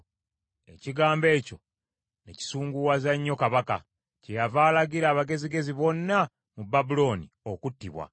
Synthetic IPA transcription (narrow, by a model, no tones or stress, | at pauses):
e̞ciɡaːmbe̞ːco̞ | neci̥suːŋɡuwazaɲːo̞kaβaka̰ | cejavaːlaɡiɾaːβaɡe̞ziɡe̞ziβo̞nːa | mubabulo̞ːnḭ | okutːiβwa̰